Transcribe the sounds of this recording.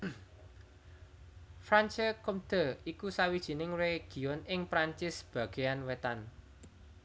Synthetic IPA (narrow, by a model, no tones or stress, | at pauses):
fɾant͡ʃəkumd̪̥ə̤ikusawid̥ʒ̥i̤nɪŋreɡ̥i̤ɔnɪŋpɾaɲt͡ʃɪsb̥a̤ɡ̥ejanwet̪an